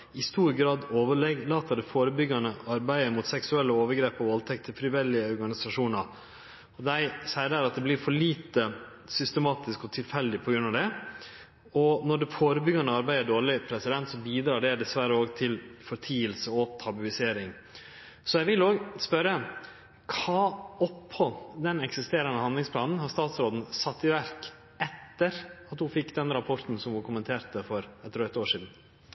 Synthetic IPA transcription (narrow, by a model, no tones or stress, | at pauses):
ɪst̪uːɾɡɾɑːd̪oːʋəɭɛɡlɑːt̪əɖɛfoːɾəbʏɡːɑnəɑɾbæɪəɾmʊt̪sɛksʉɛlːəoːʋəɾɡɾeːpɔʋɔlt̪ʰɛk̚t̪ʰːəfɾɪʋɛlːɪəɔɾɡɑnɪsɑʂuːnɑɾ | ɔd̪æɪsæɪəɖ̪æɾɑt̪̚d̪ɛblɪɾfɔɭiːt̪ə | sʏst̪əmɑːt̪ɪskɔt̪ʰɪlfɛld̪ɪpʰɔɡɾʉnːɑd̪ɛ | ɔnɔɖɛfoːɾəbʏɡɑnəɑɾbæɪd̪əɖoːɭɪpʰɾɛsɪd̪ɛnt̪sɔbiːd̪ɾɑːɖɛɖɛsʋæɾəoːɡt̪ʰɪlfɔɾt̪ʰiːəlsəɔt̪ʰɑbʉɪseːɾɪŋ | sɔjæʋɪloːɡspœɾə | kʰɑːɔphɔd̪ɛnɛksɪst̪eːɾɑnəhɑnd̪lɪŋspʰlɑːnn̩hɑɾst̪ɑːt̪sɾoːd̪n̩sɑt̪ːɪʋæɾk | ɛt̪ːəɾɑt̪hʊfɪkːd̪ɛnɾɑpʰɔɾt̪n̩sɔmʋʊkʰʊmənt̪ʰeːɾt̪əfɔɾɛt̪ːɾœt̪ːoːʂiːd̪n̩